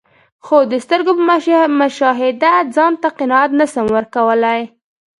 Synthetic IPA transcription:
xod̪əst̪əɾɡopəmʊʃɑɦɪd̪ad͡zɑnt̪aqɪnɑat̪nasəmwəɾkawəlaj

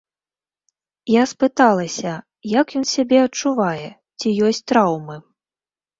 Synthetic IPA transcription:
jaspɨt̪alˠɐsʲɐ | jakjɔnsʲabʲɛɐtt͡ʂuvajɛ | t͡sʲijɔsʲt͡sʲt̪ɾawmɨ

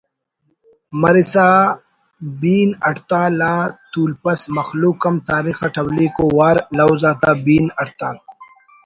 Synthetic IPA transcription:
mɐɾisaː | biːnɐʈt̪aːlaːt̪uːlpɐsmɐxluːkːɐmt̪aːɾiːxaʈʰɐblikoːwaːɾlawzaːt̪aːbiːnɐʈt̪aː

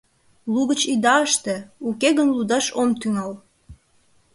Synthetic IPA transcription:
luɣət͡ɕid̪ɑəʃt̪eukeɣənlud̪ɑʃomt̪yŋɑl

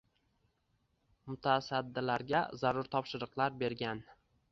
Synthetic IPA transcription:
mʊt̪ʰasad̪ːɪlaɾɡʲazaɾʊɾt̪ʰɒpʃɪɾɨqlˠaɾbe̞ɾɡʲan

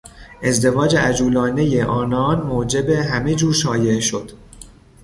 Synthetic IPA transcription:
ʔe̞zd̪e̞vɒːd͡ʒeæd͡ʒuːlɒːne̞jeʔɒːnɒːnmoːd͡ʒe̞beɦæmed͡ʒuːɾʃɒːje̞ʔeʃo̞d̪̥

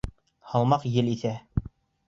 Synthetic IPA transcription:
hɑlˠmɑqjɘliθæ

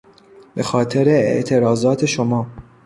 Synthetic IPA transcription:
bexɒːt̪ʰeɾeḛʔt̪ʰe̞ɾɒːzɒːt̪ʰeʃomɒː

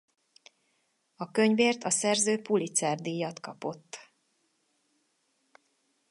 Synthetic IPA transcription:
ɒkøɲveːrt̪ʰɒsɛrzøːpulit̪saːrd̪ijɒt̪kɒpo̞t̪ː

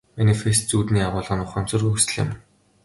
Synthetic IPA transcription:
manifest̪t͡suːt̪niːaʁʊːɮə̆nʊχə̆nt͡sʰɵrɣɵsɘ̆ɮɪ̰̆m

